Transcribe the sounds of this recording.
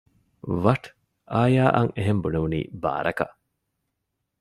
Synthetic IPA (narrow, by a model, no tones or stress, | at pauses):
ʋɐʈ | ʔaːjaːʔɐŋeɦembuneʋunḭːba̰ːɾɐkɐ̰ʔ